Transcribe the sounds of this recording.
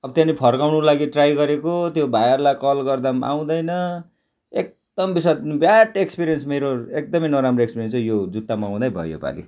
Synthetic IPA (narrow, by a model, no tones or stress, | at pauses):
ʌbʌt̪janipʰʌrkawnulaɡiʈrajɡʌɾekot̪jobʱajarlakʌlɡʌrd̪ama̰w̃d̪ʌjnʌ | ek̚ | d̪̥ʌmbisʌt̪bjaʈekspiɾijʌnsmeɾoek̚d̪ʌmʌjnʌɾamroekspiɾjensjod͡zut̪ːamaw̃d̪ajbʱʌ̰jo̰pa̰lḭ